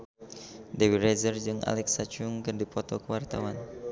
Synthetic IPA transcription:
dewiɾezərd͡ʒɨŋʔa̰lɛksat͡ʃuŋkɨrdipɔt̪ɔkəwart̪awan

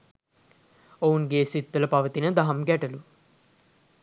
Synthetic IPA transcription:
ounɡeːsit̪ːɐləpɐʋət̪inəd̪ɐɦɐmɡæʈɐlu

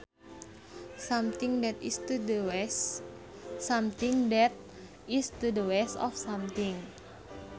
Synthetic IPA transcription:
samt̪iŋdɛt̪ḭst̪udəw | samt̪iŋdɛt̪̚ | ist̪udəwɛsɔ̰fsamt̪iŋ

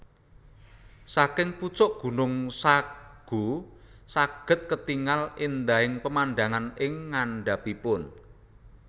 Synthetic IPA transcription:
sakɪŋput͡ʃɔʔɡ̥ṳnʊŋsaɡ̥ṳ | saɡ̥ə̤t̪̚kət̪iŋalɪnd̪aɪŋpəmanɖaŋanɪŋːaɳɖapipʊn

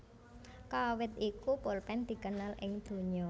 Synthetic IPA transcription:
kawɪt̪̚ikupolpɛnd̪̥i̤kənalʔɪ̰ŋd̪̥o̤ɲɔ

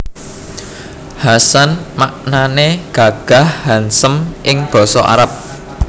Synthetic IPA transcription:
hasanmaʔnaneɡ̥a̤ɡ̥a̤hhansəmʔɪŋb̥ɔ̤sɔʔa̰ɾap̚

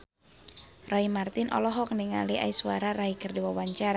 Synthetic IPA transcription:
rɔimart̪ɪnʔɔ̰lɔɦɔk̚niŋa̰liʔa̰isuwaɾaraɦikərdiwawaɲt͡ʃaɾa

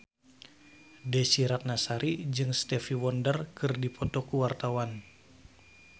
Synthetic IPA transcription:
dɛsiɾat̪̚nasaɾid͡ʒɨŋst̪ɛfiwɔndərkɨrdipʰɔt̪ɔkuwart̪awan

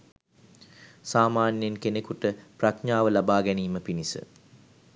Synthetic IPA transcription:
saːmaːnjenkenekuʈəprakɲaːʋəlabaːɡɛniːməpinisə̰

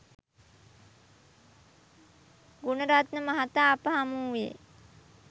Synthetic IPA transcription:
ɡunəɾat̪nəmaɦat̪aːpəɦamuːʋḛ

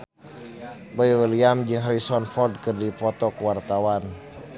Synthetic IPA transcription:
bajiwiliamd͡ʒɨŋɦaɾisɔnfɔrd̚kɨrdipɔt̪ɔkəwart̪awan

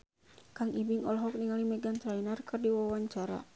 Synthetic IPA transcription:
kaŋibiŋɔlɔɦɔk̚niŋalimɛɡant̪ɾainarkɨrdiwawaɲt͡ʃaɾa̰

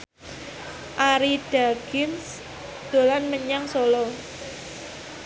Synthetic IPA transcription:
ʔaɾiɖ̥a̤ɡ̥ɪns | d̪̥o̤lanməɲaŋsolɔ

